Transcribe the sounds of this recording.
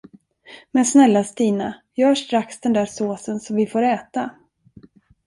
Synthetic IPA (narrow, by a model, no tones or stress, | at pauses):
mɛnsnɛlːast̪iːnajœːʂt̪ɾaksd̪ɛnd̪æːɾsoːsənsɔmvɪfoːɾɛːt̪a